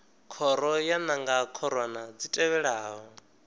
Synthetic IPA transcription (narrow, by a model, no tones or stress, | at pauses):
kʰɔɾɔjanaŋɡakʰɔɾwanad͡zitʼɛβɛɺaːɦɔ